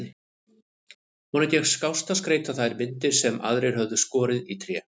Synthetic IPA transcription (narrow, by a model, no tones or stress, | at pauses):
ɪ | mɔːnat̪jɛxskawst̪askɾeːjt̪aθajɾmɪnt̪ɪ̥sɛma̰ðɾejɾ̥hœvðʏskɔːɾɪðit̪ʰɾjɛ